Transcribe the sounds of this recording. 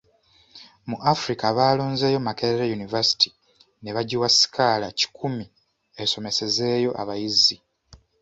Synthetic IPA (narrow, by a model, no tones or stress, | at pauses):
muʔafuɾikaβaːlo̞ːnze̞ːjo̞makeeɾejunivasi̥ti̥ | ne̞βaɟiwasi̥kalaci̥kʰumi | eso̞me̞se̞ze̞ːjo̞ʔa̰βajizi